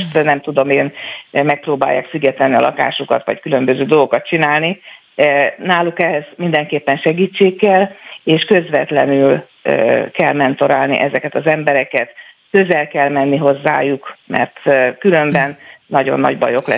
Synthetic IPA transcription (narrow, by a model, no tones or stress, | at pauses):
ʃt̪nɛmt̪ud̪o̞meːnmɛk̚proːba̰ːjːa̰ːkfyɡɛt̪ɛnːiɒ̰lɒ̰ka̰ːʃukɒ̰t̪ʋɒ̰ckylø̞mbø̞zøːd̪o̞lɡokɒt̪̚t͡ʃinaːlni | naːlukɛɦɛz̥mind̪ɛŋkeːpːɛnʃɛɡiːt͡ʃːeːkːɛleːʃkø̞zʋɛt̪lɛ̰nyl | kɛlmɛnt̪o̞ɾaːlnḭʔɛzɛkɛt̪ɒzɛmbɛɾɛkɛt̪køzɛlkɛlmɛnːiɦo̞zːaːjukmɛ̰rt̪kylø̞mbɛnːɒɟo̞̰nːɒ̰ɟbɒ̰jo̞klɛ̰